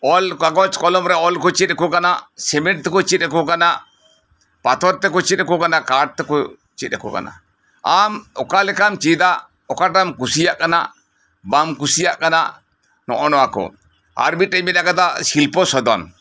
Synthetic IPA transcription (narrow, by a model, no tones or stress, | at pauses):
ɔlkakɔt͡ʃkɔlɔmɾɛɔlkɔt͡ʃit̪̚ɛkɔkanaʔsɛmɛʈ̚t̪ɛkɔt͡ʃit̪̚ɛkɔkanaʔ | pat̪ɔɾt̪ɛkɔt͡ʃit̪̚ɛkɔkanakaɖ̚t̪ɛkɔ | t͡ʃit̪̚ɛkɔka̰na̰ | amɔkalɛkamt͡ʃid̪aʔ | ɔkaʈamkusijaʔkana̰ʔ | bamkusijaʔkanaʔ | nɔ̰ʔɔnɔwakɔ̰ | a̰ɾmit̪ɾɛmit̪akad̪asilpɔsɔd̪ɔn